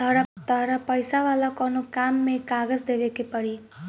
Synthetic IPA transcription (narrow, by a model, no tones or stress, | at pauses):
t̪ʌɾʌt̪ʌɾʌpʌjsawalakʌnokamːekaɡʌd͡zd̪ebekepʌɽi